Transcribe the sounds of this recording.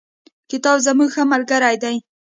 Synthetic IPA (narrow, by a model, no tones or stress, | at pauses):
kɪt̪ɑbzamuɡxamalɡaɾajd̪aj